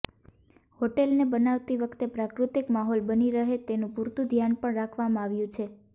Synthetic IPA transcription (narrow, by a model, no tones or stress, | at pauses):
hoʈelnebənaʋt̪iʋəkʰt̪epɾakɾut̪ikmaɦɔlbəniɾəɦet̪enũpuɾt̪ud̪ʱjanpəɳɾakʰʋamãaʋjũt͡ʃʰe